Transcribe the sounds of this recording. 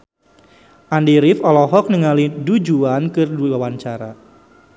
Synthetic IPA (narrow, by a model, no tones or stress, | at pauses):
ʔandiɾifɔlɔɦɔk̚nəŋalidud͡ʒuankɨrduwawant͡ʃaɾa